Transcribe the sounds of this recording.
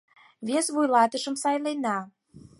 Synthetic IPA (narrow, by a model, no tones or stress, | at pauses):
vesβujlɑt̪əʃə̆msɑjlenɑ